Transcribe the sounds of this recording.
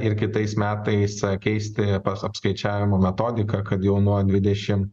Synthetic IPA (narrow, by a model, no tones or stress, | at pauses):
ɪɾkʲɪt̪ɐɪsmʲæːt̪ɐɪskʲɛɪsʲt̪ʲɪpɐsɐpskɐɪt͡ʃʲæːʋʲɪmoːmʲɛt̪oːd̪ʲɪkɐkɐt̪jɛʊnuɔd̪ʲʋʲɪd̪ʲɛʃʲɪm